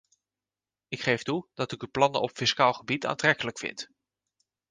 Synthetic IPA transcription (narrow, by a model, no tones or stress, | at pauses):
ɪkχejftudɑtɪkyplɑnə̰ɔpfɪskaːlˠχəbita̰ːntrɛkələkfɪ̰nt